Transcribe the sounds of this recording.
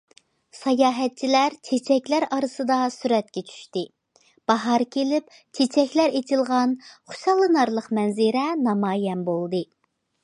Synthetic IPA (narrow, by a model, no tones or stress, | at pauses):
sɑjɑːɦɛt̪̚t͡ʃʰilæɾt͡ʃʰet͡ʃʰɛkʲlæɾɑɾɨsɨd̪ɑsyɾɛt̪kʲɛt͡ʃʰy̥ʃt̪ɪ | b̥ɑɦɑɾkʲʰelɪp̚ | t͡ʃʰet͡ʃʰɛkʲlæɾet̪ʰɪlˠʁɑnχʊ̥ʃɑlˠːɨnɑɾlˠəqmɛnzɪɾɛnɑmɑːjɛnbolˠd̪ɨ